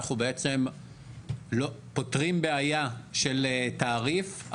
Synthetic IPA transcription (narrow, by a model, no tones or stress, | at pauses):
χubeet͡se̞m | lo̞po̞tʁimbeajaʃeltaːʁif